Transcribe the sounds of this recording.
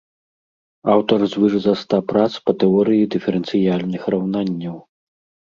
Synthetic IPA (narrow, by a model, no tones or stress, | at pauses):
awt̪ɐrzvɨʐɨzɐst̪apɾat̪spɐt̪ɛɔɾɨjid̪ɨfʲɛɾɛnsɨjalʲnɨxrawnanʲːɐw